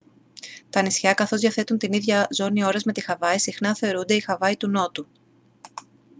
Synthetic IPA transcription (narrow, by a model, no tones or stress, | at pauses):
t̪ɐnisçɐkɐθo̞zðjɐθe̞t̪unt̪iniðʝɐzo̞nio̞ɾɐzmet̪ixɐvɐisixnɐθe̞oɾund̪e̞ixɐvɐit̪uno̞t̪u